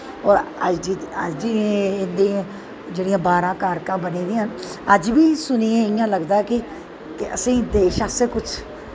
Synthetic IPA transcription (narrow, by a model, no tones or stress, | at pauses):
ɔːɾəd͡ʒiəd͡ʒd͡ʒiɪnd̪ẽː | d͡ʒeːɽijãːbaːɾãːkaːɾkãːbəneːd̪ɪĩːənəd͡ʒbiːsʊniːẽːɪjãːləɡd̪aːɛkɪ | kɪə̰sĩːd̪eːʃaːseːkʊt͡ʃʰ